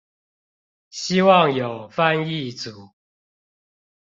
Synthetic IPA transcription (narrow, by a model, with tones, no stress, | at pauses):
ɕi˦wɑ˥˨ŋjo˨˩ʊfa˥˨ni˥˨t͡su˨˦